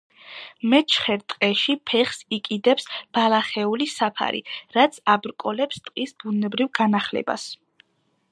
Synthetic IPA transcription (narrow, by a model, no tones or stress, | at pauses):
mɛt͡ʃʰχɛɾt̪ʼqʼɛʃipʰɛχsikʼid̪ɛpsb̥alaχɛulisapʰa̰ɾḭɾat̪sʰabɾkʼɔlɛpst̪ʼqʼisbunɛbɾivɡanaχlɛ̰ba̰s